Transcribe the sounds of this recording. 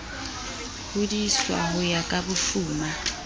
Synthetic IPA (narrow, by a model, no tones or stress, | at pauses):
hʊdiswa̰ɦʊjakʼabʊfuːma